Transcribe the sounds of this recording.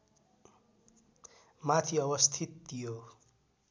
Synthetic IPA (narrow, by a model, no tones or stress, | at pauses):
mat̪ʰiʌbʌst̪ʰit̪ːijo